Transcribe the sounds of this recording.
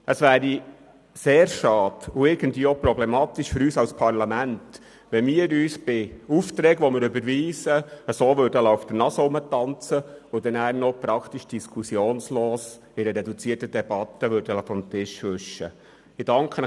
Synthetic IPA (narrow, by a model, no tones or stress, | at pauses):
əsʋæːɾi | seːɾʃɑːd̥ʊɪɾɡ̥ən̩tviːopɾɔblɛmɑːt̪iʃfʏɾyːsɑlspʰɑɾlɑmænt | ʋɛmiːəɾyːsb̥ɪuft̪ɾɛːɡʋɔmɪɾʉbəɾʋiːsəəsoːʋøːɾdəlaʊfd̥̪ənɑsəʊmətɑnt͡səʊd̥̪ɛnæːɾnɔpɾɑkʰt̪iʃd̥iskʰusjoːnsloːs | ɪɾəɾɛdut͡siːtədɛb̥ɑt̪ːəʋøɾd̥ələfɔmt̪ɪʃʋøʃːə | ɪd̥ɑŋkχən